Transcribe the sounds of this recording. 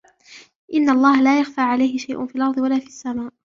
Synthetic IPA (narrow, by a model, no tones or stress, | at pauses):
ʔɪnːaʔɑlˤːɑːhalaːjaxfaːʕalajhɪʃajʔʊ̰nfiːalʔɑɾˤd̪ˤɨwalaːfiːsːamaːʔ